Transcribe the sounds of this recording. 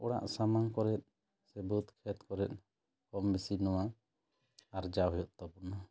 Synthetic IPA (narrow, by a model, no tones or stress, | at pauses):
ɔɽa̰ʔsamaŋkɔɾɛt̪̚ | sɛbut̪kʰɛt̪kɔɾɛt̪̚ˀ | kɔmbisinɔwa | aɾd͡ʒaɦɔjɔʔt̪ɔpɔna